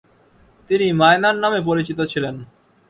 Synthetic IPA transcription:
t̪inimaenaɾnamep̬oɾit͡ɕit̪ot͡ɕʰilen

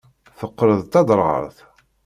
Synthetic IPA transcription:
θəqːɾəðt̪ɑd̪ˤɾˤʁə̰ɾˤθ

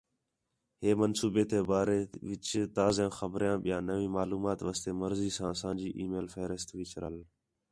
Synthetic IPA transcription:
heːmənsuːbeːt̪eːbaːɾeːʋɪt͡ʃt̪aːzãːxəbɾjãːɓɪjãːnəʋĩːmaːluːmaːt̪ʋaːst̪eːməɾziːsãːsãːd͡ʒiːʔiːmeːlfeːɾəst̪ʋɪt͡ʃɾə̰l

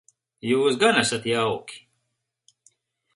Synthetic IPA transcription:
juːsɡanasat̪jawkʲi̥

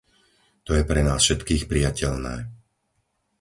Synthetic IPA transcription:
t̪ɔjɛpɾɛnaːsfʃɛt̪kiːxpɾijacɛlnɛ̰ː

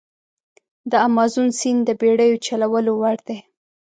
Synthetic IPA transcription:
d̪əamɑzunsind̪əbeɽəjot͡ʃalawəlowaɽd̪e

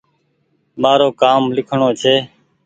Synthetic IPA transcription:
maːɾoːkaːmlɪkʰɳoːt͡ʃʰeː

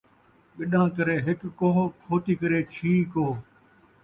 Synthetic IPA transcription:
ɓɪɗãːkəɾeːɦɪkːõːkʰoːt̪iːkəɾeːʈʰiːkɦoː

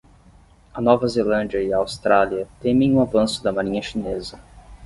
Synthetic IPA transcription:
ɐnɔvɐzelɐ̃nd͡ʒiɐiɐaːwst̪ɾaliɐt̪ẽmẽj̃ũavɐ̃sʊd̪ɐmaɾĩɲɐʃinezɐ

